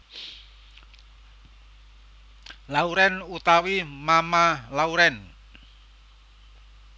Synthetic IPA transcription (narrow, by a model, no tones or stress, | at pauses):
lauɾɛnut̪awimamalauɾɛn